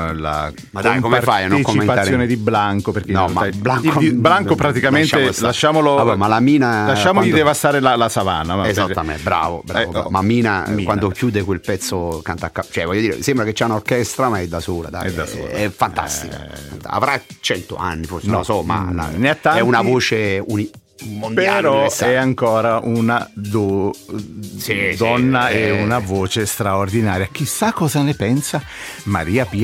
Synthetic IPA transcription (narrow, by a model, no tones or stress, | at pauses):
la̰ | mad̪ajkomefajañːkommːenaːɾsjoned̪iblaŋkoperkenɔmaablaŋibɾaŋkopɾat̪ikamenʃaelaʃːaːmoloabɛmalamiːnalaʃːaːmolid̪d̪evast̪aːɾelalasava̰namezat̪ːamḛbɾa̰ːvo̰bɾavoa̰mamiːnakwand̪okjuːd̪ekwelpɛt̪sːokant̪akːat͡ʃɛvɔjːod̪iːɾḛsembɾaket͡ʃːɛunaorkɛst̪ɾamaɛd̪ːasoːla̰d̪a̰ɛjd̪asɛfːant̪a̰st̪ika̰a̰nt̪a̰a̰vɾat͡ʃɛnt̪o̰a̰nːiforsenolsɔma̰na̰nat̪ːaɛunavoːt͡ʃeuni | mondpeaɾɔsɛaŋkɔːɾaʔunad̪o | sid̪ɔnːaɛunavoːt͡ʃest̪ɾaord̪inaːɾjak̟isakːɔːzanepɛnsa | maɾiːapi